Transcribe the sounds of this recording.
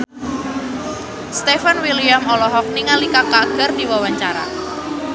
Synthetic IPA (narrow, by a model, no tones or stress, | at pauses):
st̪efanwiliamɔlɔɦɔk̚niŋalikakaɡ̥ərdiwawaɲt͡ʃaɾa̰